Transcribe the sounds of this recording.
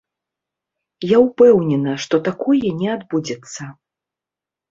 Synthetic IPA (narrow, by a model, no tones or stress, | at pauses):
jawpɛwnʲɛnɐʂt̪ɔt̪akɔjɛnʲɛad̪bud͡zʲɛt̪sːɐ